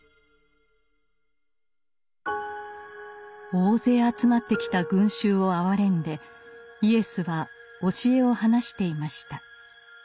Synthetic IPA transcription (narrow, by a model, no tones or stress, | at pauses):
o̞ːze̞ːat͡sɨmat̪ːe̞kʲi̥t̪aɡɯ̟̃ɰ̃ɕɨːo̞aβaɾẽ̞nd̪e̞ie̞sɨβa | o̞ɕie̞o̞hanaɕi̥t̪e̞imaɕi̥t̪a